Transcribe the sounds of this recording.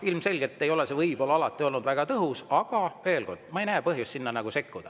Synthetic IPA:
ilmse̞lʲɡ̥et̪ːe̞jo̞le̞sevɤjb̥o̞lːeɑlɑt̪ːˑio̞lnud̪væɡ̥ɑt̪ɤɦusɑɡ̥ɑve̞ːlɡo̞rd̪̥mɑejnæːpɤɦjust̪ːsinːɑnɑɡ̥use̞kːud̪̥ɑ

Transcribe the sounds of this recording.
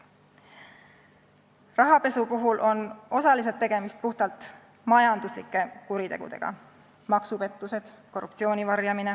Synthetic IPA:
rɑɦɑpe̞supoɦulʔo̞no̞sɑlis̬e̞lt̪ːe̞ɡ̥e̞mist̪̚puht̪ɑlt̪ˑ | mɑjɑnd̪uslḭkːˑe̞kuɾit̪e̞ɡ̥ṵd̪̥e̞̰ɡ̥ɑ̰ | mɑksupe̞t̪ːˑuse̞d̪̥ko̞rːup̚t̪sio̞ːnʲivɑrjɑmine̞

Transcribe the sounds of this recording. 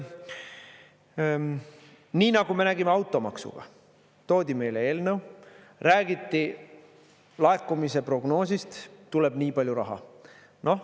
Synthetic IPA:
niːnɑɡ̥ume̞næɡ̥imeɑwt̪ːˑo̞mɑksṵɡ̥ɑ̰ | t̪o̞ːd̪ʲime̞jlee̞ːlnəw | ræːɡ̥it̪ːi | lɑekːˑumise̞pro̞ɡno̞ːsist̪t̪ːule̞b̥niːpɑlʲjuɾɑ̰ɦɑ̰ | no̞h

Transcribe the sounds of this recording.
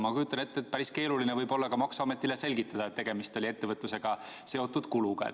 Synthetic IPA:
mɑkujut̪ːˑɑne̞t̪ːet̪̚pæɾiske̞ːlulinevɤjbo̞lːɑkɑmɑksuɑmet̪ˑːile̞se̞lʲɡit̪ːˑɑd̪̥ɑet̪ːe̞ɡ̥e̞mist̪o̞lʲie̞t̪ːe̞vɤt̪ˑːuse̞ɡ̥ɑ | se̞o̞t̪ːˑud̪̥kuluɡ̥ɑḛ

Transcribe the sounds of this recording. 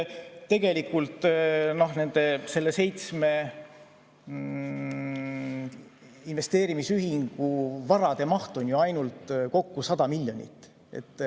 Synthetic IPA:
t̪e̞ɡ̥e̞likult̪ˑno̞ɦne̞nd̪̥e̞se̞lːe̞se̞jt̪sme̞ | inve̞st̪eːɾimisyɦiŋɡ̥uvɑɾɑd̪̥e̞mɑht̪o̞njoɑjnult̪ko̞kːusɑd̪̥ɑmilʲːjo̞nʲḭt̪ːˑ | e̞̰t̪ːˑ

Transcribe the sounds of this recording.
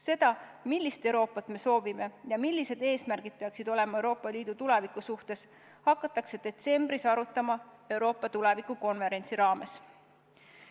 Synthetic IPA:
se̞d̪̥ɑmilʲːist̪e̞wɾo̞ːpːˑɑt̪ːˑme̞so̞ːvime̞jɑmilʲːise̞d̪e̞ːsmærɡ̥id̥̪̚peɑksid̪̥o̞le̞mɑe̞wɾo̞ːpːˑɑliːd̪̥ut̪ulevikˑusuht̪e̞s | hɑkːˑɑt̪ːˑɑkse̞d̪̥e̞t̪se̞mb̥risɑɾut̪ːˑɑmɑe̞wɾo̞ːpːˑɑt̪ule̞vikˑuko̞nve̞ɾe̞nt̪siɾɑːme̞s

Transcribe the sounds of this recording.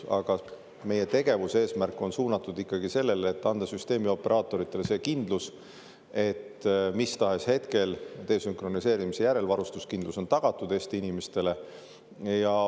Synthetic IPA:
ɑ̰ɡ̥ɑ | me̞je̞t̪e̞ɡ̥e̞vuse̞ːsmærkˑːo̞nsuːnɑt̪ːˑud̪ikːɑɡise̞lːe̞let̪ːɑnd̪̥ɑsyst̪e̞ːmio̞pːˑe̞ɾʔɑːt̪ːˑo̞ɾit̪ˑːe̞lese̞ːkind̪̥lus | e̞t̪ːmist̪ɑɦe̞she̞t̪ke̞lt̪e̞ːsyŋkro̞nise̞ːɾimise̞jæɾe̞lvɑɾust̪uskind̪luso̞nt̪ɑɡ̥ɑt̪ːˑud̪e̞ːst̪iinimest̪e̞le̞ | jɑ

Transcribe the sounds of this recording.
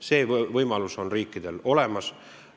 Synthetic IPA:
se̞ːvɤjmɑluso̞nriːkːˑid̪̥e̞lo̞le̞mɑs

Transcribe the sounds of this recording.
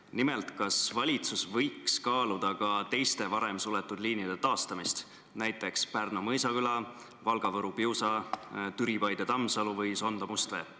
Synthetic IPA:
nime̞lt̪kɑsvɑlʲit̪susvɤ̞jkskɑːlud̪̥ɑkɑt̪e̞jst̪e̞vɑɾe̞msule̞t̪ːˑud̪liːnjid̪e̞t̪ɑːst̪ɑmist̪ | næjt̪ːˑe̞kspærnomɤjsɑkylɑ | vɑlɡ̥ɑvɤɾupiwsɑt̪yɾipɑjd̪̥et̪ɑmːsɑluvɤjso̞nd̪̥omust̪ve̞̰

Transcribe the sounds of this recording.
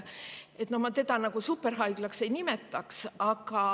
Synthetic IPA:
e̞t̪ːˑnohmɑt̪e̞d̪ɑnɑɡ̥usupːe̞rɦɑjɡ̥lɑkse̞jnime̞t̪ːˑɑksɑɡ̥ɑ

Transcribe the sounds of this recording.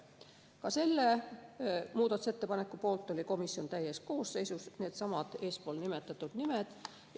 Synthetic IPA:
kɑse̞lːe | muːd̪ɑt̪ˑuse̞t̪ːe̞pɑnekːˑupo̞ːlt̪ːˑo̞lʲiko̞misio̞nt̪æjːe̞st̪̚ko̞ːsːe̞jsusne̞ːd̪̥sɑmɑd̪̥e̞ːspo̞ːlnime̞t̪ːˑɑt̪ːˑud̪̥nimed̪̥

